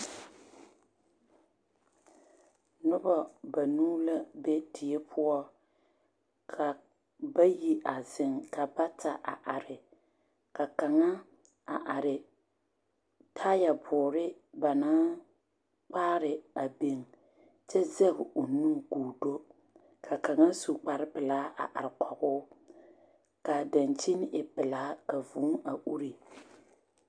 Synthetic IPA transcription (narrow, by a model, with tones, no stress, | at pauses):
nʊ˦ba˨ba˨nuː˦la˦bɛ˦tʰi˨ɛ˦pʰʊ˦ɔ˦ | kʰa˨ | ba˦ji˦ʔa˨zɪ˨ŋka˨ba˦ta˨ʔa̰˨ʔa˨ɾɪ˨ | ka˨ka˨ŋa˦ | a˨ʔa˨ɾɪ˨ | tʰaː˦ja˨bʰʊː˨ɾɪ˦ | ba˨naː˦ | k͡paː˦ɾɪ˨a˨be˨ŋ | t͡ʃɛ˦zɛ˦bʊ˨ʔʊ˨nu˦ŋkuː˨do˦ | kʰa˨ka˨ŋa˦su˦k͡pa˨ɾɪ˦pɨ˨laː˨˦ʔa̰˨ʔa̰˨ɾɪ˨kɔ˨ɣʊ˦ | ka˨da˨nt͡ʃi˦n˦ʔɪ˨pɪ˨laː˦ka˨vuː˨˦ŋa˨ʔu˦ɾi˨